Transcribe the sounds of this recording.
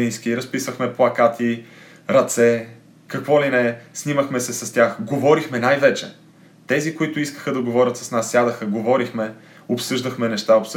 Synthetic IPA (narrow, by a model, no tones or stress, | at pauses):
inskiɾɐspisvəxmɛplˠɐkat̪ʰi | ɾɐt̪sɛ | kɐkvɔlinɛsniməxmɛsɛsɐst̪ʲaxɡovɔɾixmɛnajvɛt͡ʃɛ̰ | t̪ɛzikoit̪ʊiskə̥xəd̪ɐɡovɔɾʲət̪sɐ̥snasːjad̪əxəɡovɔɾixmɛ | opsɤʒd̪ɐxmɛnɛʃt̪aops